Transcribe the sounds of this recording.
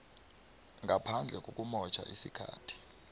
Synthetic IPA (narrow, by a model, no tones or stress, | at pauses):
ŋɡʱapʰand͡ɮʱɛk̬ʼokʼumɔt͡ʃʰʼa̰ʔisikʰa̰ːtʰi̥